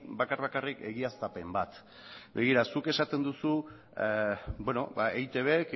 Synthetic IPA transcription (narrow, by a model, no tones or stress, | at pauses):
bakarβakarike̞̰ɣiast̪ape̞mbat̪ | be̞ɣ̞iɾasuke̞sat̪e̞nd̪usu | bwe̞no̞̰baejt̪e̞βek